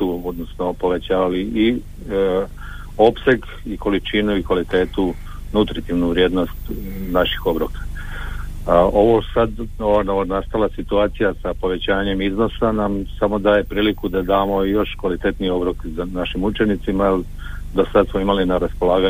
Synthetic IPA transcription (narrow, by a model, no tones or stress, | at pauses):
uod̪nosnopo̞ʋe̞t͡ɕaːʋalii | o̞pse̞ɡ | iko̞lit͡ʃinuikʋalit̪e̞ːt̪u | nut̪ɾit̪iʋnuʋɾje̞ːd̪no̞st̪naʃi̥xo̞bɾokḁ | o̞ʋo̞sad̪oʋanoanast̪alˠasit̪uaːt̪sijasapo̞ʋe̞t͡ɕaːɲe̞mizno̞sanamsamo̞d̪aːje̞pɾiːlikud̪ad̪aːmo̞ijo̞ʃkʋalit̪e̞t̪nio̞bɾokzanaʃimut͡ʃe̞nit̪simail | d̪osad̪smoimalinaɾaspo̞lˠaːɡa